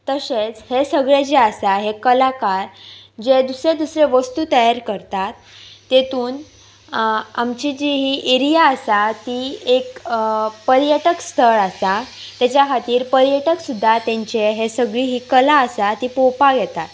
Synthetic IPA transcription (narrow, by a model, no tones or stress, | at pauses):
t̪əset͡shesəɡɭed͡ʑeəsaɦekəlakaɾd͡ʑed̪usɾed̪usɾeʋəst̪uːt̪əjaɾkəɾt̪at̪ːet̪uːn | a̰mt͡ɕed͡ʑeɦiʔeɾijaəsat̪iek | pəɾjəʈəkst̪ʰəɾasat̪jat͡ɕjakʰat̪iːɾpəɾjəʈəksud̪ʱːat̪ãɲt͡ɕeɦesəɡɭiɦiːkəlaəsat̪iːpopaɡjɛt̪at̪